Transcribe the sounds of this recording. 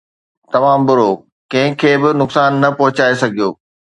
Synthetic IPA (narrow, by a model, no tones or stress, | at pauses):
t̪ɐmaːmbʊɾoː | kɐ̃ɦɪ̃kʰeːbɪnʊksaːnːɐpɐɦʊt͡ɕaːesɐɡʱijoː